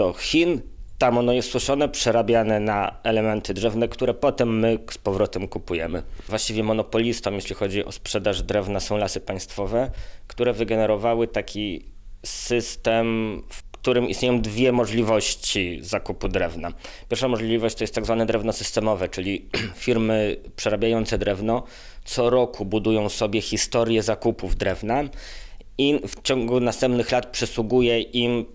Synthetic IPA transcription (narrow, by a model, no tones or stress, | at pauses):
ɔxʲint̪amɔnɔjɛst̪swuʂɔnɛpʂɛɾabʲjanɛnaɛlɛmɛnt̪ɘd̪ʐɛvnɛkt̪uɾɛpɔt̪ɛmːɘspɔvɾɔt̪ɛmkupujɛmɘ̰vwaɕt͡ɕivʲjɛmɔnɔpɔlʲist̪ɔmjeɕlʲixɔd͡ʑiʔɔ̰spʂɛd̪aʐd̪ɾɛvnasɔ̃w̃lasɘpaj̃st̪fɔvɛkt̪uɾɛvɘɡɛnɛɾɔvawɘt̪akʲi | sɘst̪ɛmfkt̪uɾɘmist̪ɲejɔ̃w̃d̪vʲjɛmɔʐlʲivɔɕt͡ɕizakupud̪ɾɛvna | pʲjɛɾfʂamɔʐlʲivɔɕt͡ɕ̚t̪ɔjɛst̪ːaɡzvanɛd̪ɾɛvnɔsɘst̪ɛmɔvɛt͡ʂɘlʲifʲiɾmɘpʂɛɾabʲjajɔnt̪sɛd̪ɾɛvnɔ | t̪sɔɾɔkʰubud̪ujɔ̃w̃sɔbʲjɛxʲist̪ɔɾjɛzakupuvd̪ɾɛvna | ift͡ɕɔŋɡunast̪ɛmpnɘxlat̪pʂɛswuɡujɛʔim